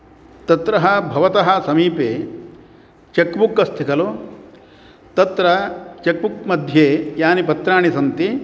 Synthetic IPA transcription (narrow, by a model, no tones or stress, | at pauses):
t̪ɐt̪ɾɐɦɐ̆bʱɐʋɐt̪ɐɦɐ̆sɐmiːpeː | t͡ʃekbukɐst̪ʰikɐlu | t̪ɐt̪ɾɐt͡ʃek̚buk̚mɐd̪ʱjeːjaːnipɐt̪ɾaːɳisɐnt̪i